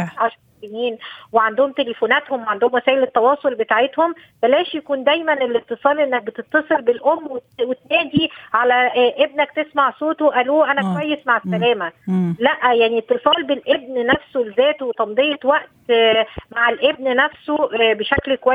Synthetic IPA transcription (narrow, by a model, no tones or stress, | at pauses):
ʕaʃɑɾɑˤsijiːnweʕand̪ohomt̪elefoːnæt̪homweʕand̪ohomwæsæːʔelet̪ːɑwɑːsˤolbet̪aːʕet̪hombælæːʃjækuːnd̪æjmænelet̪ːɨsˤɑːlʔenːæk̚bet̪et̪ːɑsˤelbelʔomːwewet̪næːd̪iʕalæʔebnæk̚t̪esmaʕsoːt̪oʔæluːʔænækowæjːesmaʕesːælæːmælæʔjaʕnit̪ːɨsˤɑːlbelʔeb̚nnæfsolezæːt̪wet̪ˤɑmd̪ˤejɑt̪wæʔt̪maʕalʔebnnæfsobeʃæklkowæ